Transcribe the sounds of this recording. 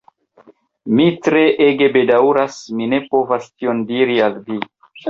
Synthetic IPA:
mitɾe̞ʔe̞ɡe̞be̞dawɾasmine̞po̞vastio̞ndiɾialvi

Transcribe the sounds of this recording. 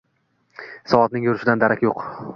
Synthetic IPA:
sɒɒt̪̚nɪŋjʊɾɪʃɪd̪and̪aɾakʲjoq

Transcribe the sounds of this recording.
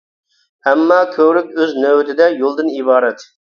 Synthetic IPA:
hɛmːɑːkʲʰøwɾykʲøznøwt̪ʰɪd̪ɛjolˠd̪ɨnibɑːɾɛt̪

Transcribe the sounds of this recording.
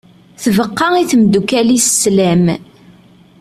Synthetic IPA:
θvəqːɑiθəmd̪ukælisslæm

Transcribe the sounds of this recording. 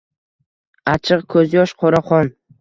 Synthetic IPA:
at͡ʃʰɨqkʰɵzjɒʃqʰoɾaχɒn

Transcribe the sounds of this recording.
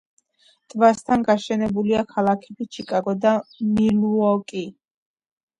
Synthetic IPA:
t̪ʼvast̪ʰanɡaʃɛnɛbuliakʰalˠakʰɛbit͡ʃʰikʼaɡɔd̪amiluɔkʼi

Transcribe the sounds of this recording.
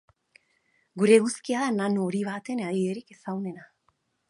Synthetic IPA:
ɡuɾe̞ɣuskiaðananuoɾiβat̪e̞naðieɾike̞sawne̞na

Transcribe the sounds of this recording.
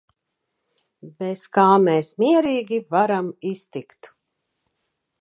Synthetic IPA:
beskaːmɛːsmiɛɾiːɡʲivaɾamist̪ikt̪

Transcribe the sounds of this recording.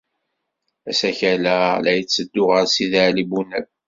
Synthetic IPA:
æsæçælælæjət͡sːəd̪ːʊʁəɾsiðəʕlibunæb

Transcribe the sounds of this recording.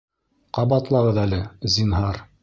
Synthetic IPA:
qɑbɑt̪lˠɑʁɤðælɘzʲinɦɑɾ

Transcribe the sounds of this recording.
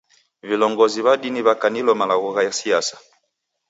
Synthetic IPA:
vilɔŋɡɔziβadiniβakanilɔmalaɣɔɣajasiasḁ

